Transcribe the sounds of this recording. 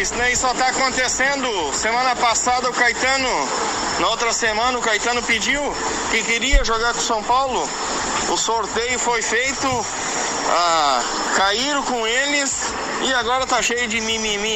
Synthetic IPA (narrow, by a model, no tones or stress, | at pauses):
isnɛ̃isɔt̪aːkõnt̪esẽnd̪ʊsemɐ̃nɐpasad̪ɐʊkajt̪ɐ̃nʊ | nɐowt̪ɾɐsemɐ̃nɐʊkajt̪ɐ̃nʊped͡ʒiw | kɪkeɾiɐʒoɡaɾkõsɐ̃w̃pawlʊ | ʊsoɾt̪ejʊfojfejt̪ʊ | a | kaiɾkõelɪs | ɪaɡɔɾɐt̪aʃejʊd͡ʒɪmimimi